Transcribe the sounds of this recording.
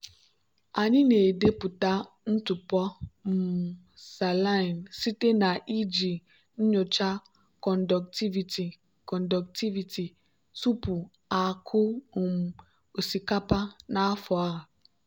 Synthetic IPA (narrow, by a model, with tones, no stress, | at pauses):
a˨ɲi˦ne˨de˦pʊ˨ta˦ | n̩˦tʊ˨pɔ˦m̩˨ | sa˨la˦ɪ˨nsi˦te˦na˨ʔi˦d͡ʒi˨ | n̩˦ɲʊ˨t͡ʃa˦ | kɔ˨n̩˨dɔ˨kti˦vi˨ti˨ | kɔ˨n̩˨dɔ˨k̚ti˦vi˨ti˨ | tu˦pu˨ | a˨kʰʊ˦˨m̩˨ | o˨si˨ka˦pa˦na˦a˦fɔ˨a˦˨